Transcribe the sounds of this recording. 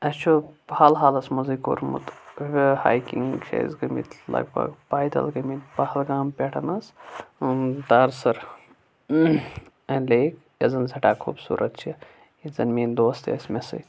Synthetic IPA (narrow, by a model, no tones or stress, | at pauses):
ɐt͡ʃʰobhaːlɦaːlɐsmɐzɨko̰ɾmṵt̪ʋha̰ːjkiŋt͡ʃʰḛzɡɐmḭt̪ʰlɐ̰ɡbɐ̰ɡpaːjd̪ɐ̰lɡɐmit̪pɐhɐlɡaːmpʲeʈʰɐnɐs | d̪aːɾsɐɾ | ɐnleːk | jɐzɐnsʰɐʈaːkʰuːbsṵːɾʔɐt̪̚t͡ʃʰi | izɐnmiːnd̪oːst̪ḛsmesɐ̰t̪